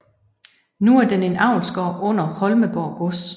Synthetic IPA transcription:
nuæɐd̥ene̝nɑ̈ʊ̰nsɡ̥ɒ̰ːʔɔ̽n̰ɐhɒ̽lməɡ̥ɒ̰ːɡ̥os

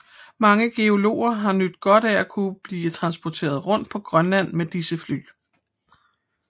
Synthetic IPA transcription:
mɑ̈ŋəɡ̥e̝o̝lo̝̰ːɐɦɑ̈nød̥ɡ̥ɒ̽ɾ̥æækʰub̥liːt͡sʰʁɑ̈nsb̥ɒt͡sʰe̝̰ːɐð̞ˠʁɔ̽n̰d̥̚pʰɒ̽ɡ̥ʁɶnlæn̰med̥isəfly̰ː

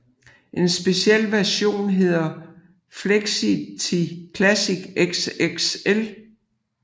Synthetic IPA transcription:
ʔe̝nsb̥e̝siel̰ʋæɐɕo̝̰ːnɦe̝ð̞̰ˠɐ | fleɡ̥sit͡sʰikʰlæsiɡ̥eɡ̥seɡ̥sel

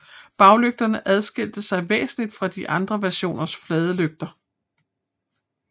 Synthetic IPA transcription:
b̥ɑ̈ʊløɡ̥̚d̥ɐnəʔæð̞ˠsɡ̥e̝l̰d̥əsɑ̈ɪʋḛːsn̩lid̥fʁɑ̈d̥iʔɑ̈nd̥ʁɐʋæɐɕo̝̰ːnɐsflɛːð̞ˠəløɡ̥̚d̥ɐ

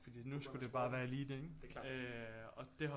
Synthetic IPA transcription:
fɒd̥ḭːnusɡ̥ud̥e̝b̥ɑ̈ːʋæːɐliːd̥e̝ɡøɒ̽d̥e̝ɦa

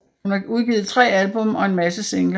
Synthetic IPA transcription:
unæuð̞ˠɡ̥iːð̩ˠt͡sʰʁɛ̰ːælb̥ɔ̽mɒ̽e̝nmæsəse̝ŋl

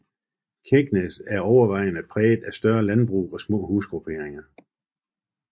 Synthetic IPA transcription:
kʰeɡ̥nesæɐɒʊɐʋɑ̈ɪ̰nəpʰʁɛːð̥ˠæsd̥ɶɐlænb̥ʁṵːɒ̽smɔ̰ːɦuːsɡ̥ʁupʰe̝ːɐeŋɐ

